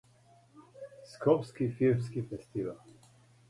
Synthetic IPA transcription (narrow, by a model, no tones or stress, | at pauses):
skʰɔpskifiɾmskifɛst̪ival